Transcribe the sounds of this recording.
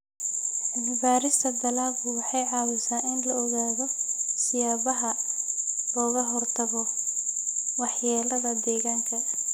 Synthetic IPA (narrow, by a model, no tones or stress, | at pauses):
ʕɪnɪbaːɾɪst̪ʰɐbɐlaːʊwɑħɑjʕɑːwɪsaːnɪnlɐɔɣaːðɔsɪjaːβɐɦɐ | lɔːɣɐɦɔrt̪ʰɐɣɔ | wɑħjaːlɐðɐd̪ɛːɣaːŋkʰɐ